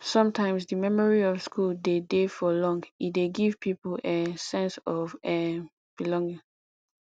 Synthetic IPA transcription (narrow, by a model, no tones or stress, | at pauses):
sɔ̃mtʰãɪ̃msdimɛmɔɹiɔvskʰuldedefɔlɔ̃ŋɡideɡiv̥pʰipolesɛ̃nsɔvɛ | b̥ilɔ̃ŋɡĩŋ